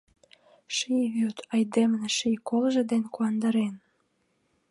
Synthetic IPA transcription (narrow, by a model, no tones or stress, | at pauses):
ʃiβyt̪ʰɑjd̪emneʃikolʒĕd̪enkuɑnd̪ɑɾen